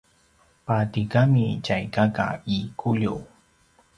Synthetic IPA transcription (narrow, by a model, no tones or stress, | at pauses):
pat̪ikamit͡ʃajkaka̰ikʰʊʎuw